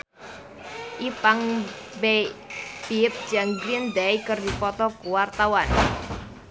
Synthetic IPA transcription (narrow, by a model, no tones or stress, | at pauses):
ʔipaŋ | bebip̚d͡ʒaŋɡɾind̪ajkərdipɔt̪ɔkuwart̪awan